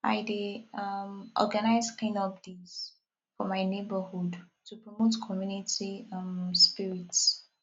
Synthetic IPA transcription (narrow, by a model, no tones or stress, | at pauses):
a̰ɪde | ʔɔ̰ɾɡənaɪzkĩnɔbdiz | fɔmaɪnebəhud | tupɾɔmotkʰɔmjunitispiɾits